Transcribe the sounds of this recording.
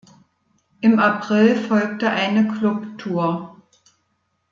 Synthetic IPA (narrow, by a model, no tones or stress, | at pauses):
ʔɪmapʁ̥ɪlfɔlk̚təʔaɪnəkʰlʊptʰuːɐ